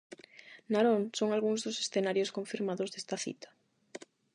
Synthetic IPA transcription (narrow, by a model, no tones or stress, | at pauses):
naɾoŋsoŋalɣuŋzðosesθenaɾjoskoɱfiɾmaðozðest̪ɐθḭt̪ɐ̥